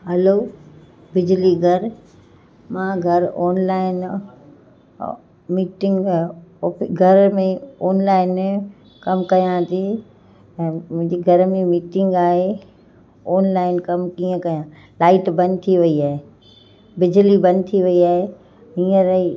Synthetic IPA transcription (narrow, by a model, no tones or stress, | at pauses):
ɦɛloː | bɪd͡ʑliɡʱɐɾ | mãɡʱɐɾɔːnlaːɪn | miːʈɪ̃ŋɡ | ɡʱɐɾmẽɔːnlaːɪn | kɐmkɐjãt̪ʰĩː | mʊ̃ɦɪ̃ɲd͡ʑeɡʱɐɾmẽmiːʈɪ̃ŋɡaːɦe | ɔːnlaːɪnkɐmkiːə̃kɐjã | laːɪʈbɐ̃n̚t̪ʰiʋɐiaːɦe | bɪd͡ʑlibɐn̚t̪ʰiʋɐiaːɦe | ɦĩːə̃ɾi